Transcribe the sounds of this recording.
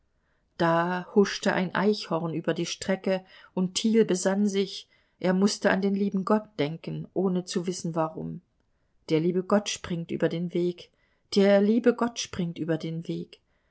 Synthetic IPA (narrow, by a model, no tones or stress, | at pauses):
d̥aːhʊʃtəʔaɪnʔa̰ɪçhɔɐnyːbɐdiːʃtʁ̥ɛkəʔʊntʰːiːlbəzanzɪç | ʔeːɐmʊstəa̰ndeːnliːbm̩ɡɔt̚d̥ɛŋkn̩ʔoːnət͡suvɪsn̩vaʁʊ̰m | d̥eːɐliːbəɡɔtʃpʁ̥ɪŋtʔy̰ːbɐdeːnveːk | d̥eːɐliːbəɡɔtʃpʁ̥ɪŋtʔyːbɐdeːnveːk